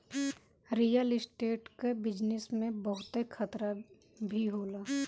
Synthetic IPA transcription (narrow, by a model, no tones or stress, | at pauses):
ɾijəlɪsʈeːʈkebɪd͡ʒnɪsmẽbəɦʊt̪ekʰət̪ɾa | bʱiɦoːlaː